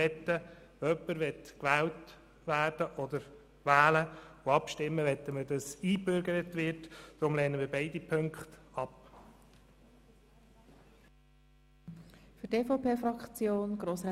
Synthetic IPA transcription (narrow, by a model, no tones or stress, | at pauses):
ɛt̪ːə | ʋoœpːəɾʋɛtkʋæːlt | ʋæːrd̥əʔɔd̪əɾ | ʋæːləʊɑpʃtɪmːəʋɛt̪ːəmədɑsiːbʏɾɡəɾətʋɪɾtd̥ɾʊmlɛːnəmiːɾbeɪdipʰɵŋkχtɑp | fʏɾteːfopʰeːfɾɑkt͡sjoːnɡ̥ɾoːsɾɛ